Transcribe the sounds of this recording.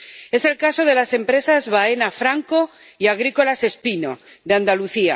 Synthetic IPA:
e̞se̞lkaso̞ð̞e̞lase̞mpɾe̞sazβae̞nafɾaŋko | iaɣ̞ɾiko̞lase̞spino̰ðeand̪aluθia̰

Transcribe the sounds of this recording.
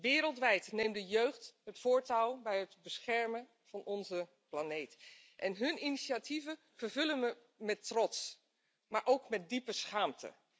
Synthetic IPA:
ʋɪːɾəlˠtʋɛjtnejmdəjøɥχtɦətfʊːɹtalˠbɛjɦətbəsχɛɹmən | v̥ɑnɔnzə | planejt | ʔɛnɦɵniniʃatʰivə | vəɹvɵlənə | mɛtrɔts | maːɹʔowkmɛt̚dipəsχaːmtʰə̰

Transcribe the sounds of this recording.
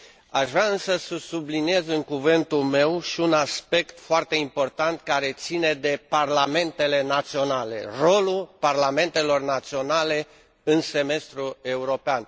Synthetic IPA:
aʃvɾaɨnsəsəsublinie̞zɨŋkuvɨnt̪ulme̞wʃiunaspe̞kt̪foart̪e̞impo̞rt̪ant̪kaɾe̞t̪sine̞d̪e̞parlame̞nt̪e̞le̞nat̪sio̞nale̞̰ro̞lulparlame̞nt̪e̞lo̞rnat̪sio̞nale̞ | ɨnse̞me̞st̪ɾue̞uɾo̞pean

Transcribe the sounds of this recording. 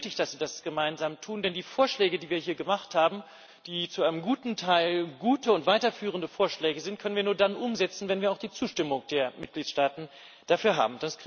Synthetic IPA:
tɪçd̥asz̥iːdasɡ̥əmaɪnzaːmtʰuːndɛndiːfoːɐʃlɛːɡədiːviːɐhiːɐɡəmaχthaːbm̩ | d̥iːt͡suʔaɪnəmɡuːtn̩tʰaɪlɡuːtəʊntv̥aɪtɐfyːʁ̞əndəfoːɐʃlɛːɡəzɪnt̚kʰœnənviɐnuːɐdanʔʊmzɛt͡sn̩vɛnviːɐaʊd̥iːt͡suːʃtɪmʊŋd̥eːɐmɪt̚ɡ̥liːtʃtaːtn̩ | d̥afyːɐɦa̰ːbm̩d̥as

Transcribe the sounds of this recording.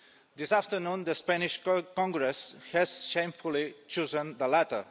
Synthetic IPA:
d̪isaft̪əɾnũnd̪əspæniʃkɔ̃ŋɡɾɛshɛzʃẽjɱfulit͡ʃozə̃nd̪əlæt̪ə˞

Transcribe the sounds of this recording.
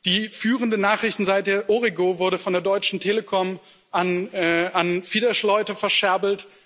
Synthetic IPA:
d̥iːfyːʁəndənaːχʁ̥ɪçtn̩zaɪt̚eɐʔoʁiɡovʊɐɾəfɔndeːɐdɔʏt͡ʃn̩tʰeːləkʰɔm | ʔanːanfiːdɐʃlɔʏtəfɛɐʃɛɐbl̩t

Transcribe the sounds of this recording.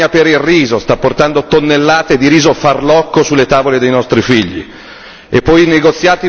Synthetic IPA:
apeɾilriːzost̪apːort̪and̪ot̪onːelːaːt̪ed̪iɾiːzofarlɔkːosulːet̪aːvoled̪ejnɔst̪ɾifiʎːḭ | epːɔjneɡot̪sːjaːt̪i

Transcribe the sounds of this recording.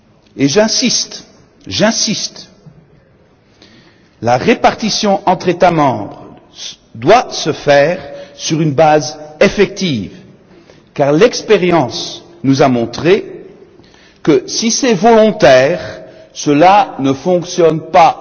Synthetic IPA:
eʒɛ̃sist̪ | ʒɛ̃sist̪ | laʁepaʁt̪isjɔ̃ʔɑ̃t̪χet̪amɑ̃bʁ | d̪wasəfɛːʁsyʁynbazefɛk̚t̪iːv | kaʁlɛkspeʁjɑ̃s | nuzamɔ̃t̪χe | kəsisɛvɔlɔ̃t̪ɛʁ | səlanəfɔ̃ksjɔnpa

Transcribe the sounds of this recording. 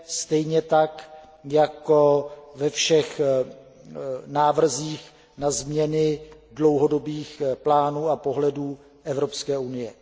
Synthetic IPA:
st̪ɛjɲɛt̪ak | jakovɛfʃɛx | naːvr̩ziːx | nazmɲɛnɪdlowɦo̞do̞biːxplaːnuːapo̞ɦlɛduː | ʔɛvɾo̞pskɛːʔunɪjɛ

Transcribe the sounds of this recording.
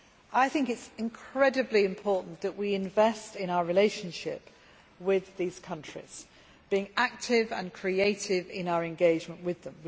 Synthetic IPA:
aɪθɪ̃ŋkɪtsɪ̃nkʰɹ̥ɛdəbliɪ̃mpʰɔˑʔn̩ðəʔwiɪ̃ɱvɛstɪ̃ñaʊəɹɪleɪʃə̃nʃɪ̰p | wɪðiːz̥kʰʌ̃nt͡ʃɹ̥ḭz̥ | b̥iɪ̃ŋak̚tʰɪvə̰̃nkʰɹ̥ieɪtʰɪvɪ̃naʊəɹɛ̃nɡeɪd͡ʒmə̃nʔwɪðə̃m

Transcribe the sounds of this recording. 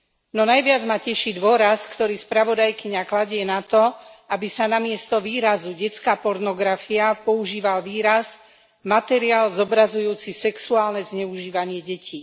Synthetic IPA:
nɔnajʋɪad͡zmacɛʃid̪ʋʊɔɾaskt̪ɔɾiːspɾaʋɔd̪ajkiɲaklaɟɪɛnat̪ɔabisanamɪɛst̪ɔʋiːɾazuɟɛt͡skaːpɔɾnɔɡɾafiapɔuʒiːʋalʋiːɾaz | mat̪ɛɾiaːlzɔbɾazujuːt͡sisɛksuaːlnɛzɲɛuʒiːʋaɲɪɛɟɛcʰiː

